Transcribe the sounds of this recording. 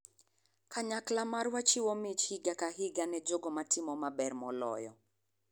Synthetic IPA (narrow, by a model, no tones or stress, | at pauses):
kaɲaklamarwat͡ʃiwɔmɪt͡ʃhiɡakaɦɪɡanɛd͡ʒoɡɔmatɪmɔmabɛrmɔlɔ̰jɔ̰